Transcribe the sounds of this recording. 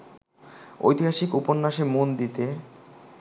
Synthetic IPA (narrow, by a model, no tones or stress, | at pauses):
o̰jt̪iɦaʃikuponːaʃemond̪it̪e